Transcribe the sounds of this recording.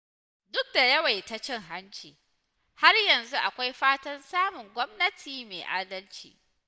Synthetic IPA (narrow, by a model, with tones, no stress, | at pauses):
dʊ˦k̚da˨jɐ˦wa˨jta˦t͡ʃɪ˦ŋɦa˦nt͡ʃḭː˨ | ha˦rjɐ˨nzu˦ʔa˨kʷa˦jɸaː˦tɐ˦nsaː˦mʊ˨ŋɡʷɔ˦mnɐ˦tʰiː˨meː˨ʔaː˦dɐ˦lt͡ʃḭː˨